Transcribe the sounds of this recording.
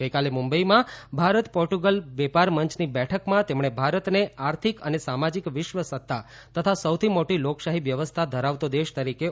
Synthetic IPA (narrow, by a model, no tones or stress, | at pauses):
ɡəjkalemumbəimãbʱaɾət̪pɔɾʈuɡəlʋɛpaɾməɲt͡ʃʰnibɛʈʰəkmãt̪emɳ̃ebʱaɾət̪neaɾt̪ʰikə̰nesamad͡ʒikʋɪʃʋəsət̪ʰːa | t̪ət̪ʰasəwt̪ʰimoʈilokʃaɦiʋjəʋəst̪ʰad̪ʱəɾaʋt̪od̪eʃt̪əɾike